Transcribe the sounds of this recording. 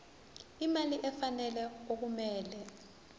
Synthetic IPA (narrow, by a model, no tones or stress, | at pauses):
imaliʔɛfanɛlɛok̬umɛːlɛ